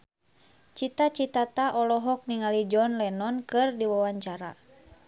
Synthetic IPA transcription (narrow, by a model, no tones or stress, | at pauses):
t͡ʃit̪at͡ʃit̪at̪aʔɔlɔɦɔk̚niŋalid͡ʒɔnlɛnɔnkɨrdiwawaɲt͡ʃaɾa̰